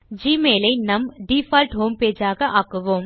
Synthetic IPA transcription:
d͡ʒiːmeːlɐɪnɐmɖiːfaːlʈɦoːmpeːd͡ʒaːɣɐʔaːkːɯʋoːm

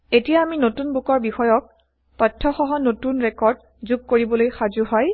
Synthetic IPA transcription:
etijaːminotunbukɔɹbixɔjɔk̚ | pɔtʰːɔxɔɦɔnotunɹɛkɔɹd | zuɡ̚koɹibɔlojxazuɦɔj

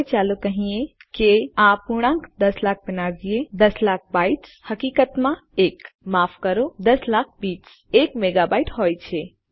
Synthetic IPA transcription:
jt͡ʃaːlokəɦĩẽkeãpuɽ̃ãŋkd̪əslak̚ʰbɪnaɾd͡ʒied̪əslak̚ʰbaiʈshəkikət̪mãeːkmapʰkəɾod̪əslak̚ʰbiːt͡ʃ | ekmeɡabajʈɦojt͡ʃʰe

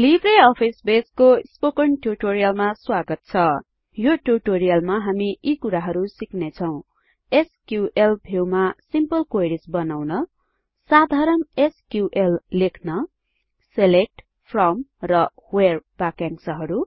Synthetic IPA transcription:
libʱreʌpʰisbeskospokʌɳʈuʈoɾijʌlmaswaɡʌt̪̚t͡sʰʌ | joʈuʈoɾijʌlmaɦamiʔikuɾaɦʌɾusiknet͡sʰʌw̃ | eskjuʔelbʱewmasimpʌlkojɾisbʌnawnʌ | sad̪ʱaɾʌmeskjuʔelːekʰnʌ | selek̚ʈ | pʰrʌmrʌ | hwerbakjãŋsʌɦʌɾu

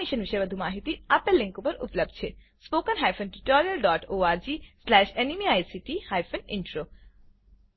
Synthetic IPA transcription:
iʃənʋɪʃəjʋɐd̪ʱumaːɦit̪iɐpelɪ̃ŋkopɐɾʊ̰pləb̚d̪̚t͡ʃʰe | spoːkənɦaːjfʰənʈiʈɔːɾijəlɖɔːʈoːaːɾd͡ʒiːslɛːʃenimiaːjsiʈihaːjfʰənɪ̰̃ɳʈɾoː

